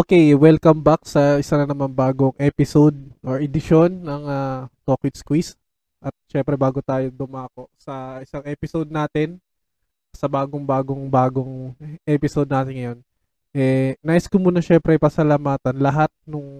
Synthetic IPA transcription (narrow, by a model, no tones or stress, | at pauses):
ʔokejwɛlkɐmbak̚sɐʔɪsanɐnɐmanbaːɡoŋʔɛːpɪsod̪̚oɹʔɛd̪ɪʃo̞nːɐŋat̪oːkwɪt̪skwis | ʔɐt̪̚ʃɛmpɾɛbaːɡot̪aːjod̪ʊmaːko̞ʔsɐʔɪsaŋɛːpɪsod̪̚naːt̪ɪn | sɐbaːɡoŋbaːɡoŋbaːɡoŋʔɛpɪsod̪̚naːt̪ɪnːɐjo̞n | ʔɛnaːʔɪskʊmuːnɐʃɛmpɾɛɐjpɐsɐlamaːt̪ɐnlɐɦat̪̚nʊŋ